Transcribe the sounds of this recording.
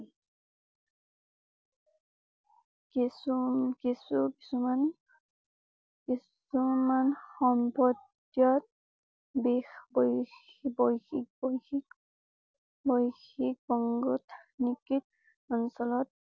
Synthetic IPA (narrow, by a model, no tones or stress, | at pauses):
kisukisuki̥suman | kis | umanxɔmpɔd | jɔt̪̚ | bexbɔjbɔjxik̚bɔjxik | bɔjxik̚bɔŋɡɔt̪nikit̚ | ɔnsɔlɔt̪̚